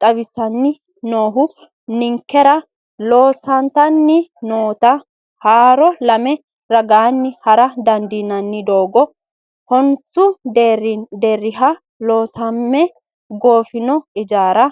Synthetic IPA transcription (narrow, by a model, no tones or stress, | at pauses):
t̪ʼɐβɪsːɐnːɪ | noːɦʊ | nɪŋkːɛɾɐ | lo̞ːsɐnt̪ɐnːɪnoːt̪ɐ | haːɾɔlɐmɛ | ɾɐɡaːnːɪhɐɾɐd̪ɐnd̪inːɐnːɪd̪o̞ːɡɔ | hɔnsʊ | d̪eːrːɪɦɐ | lo̞ːsɐmːɛ | ɡo̞ːfɪnɔɪd͡ʒaːɾɐ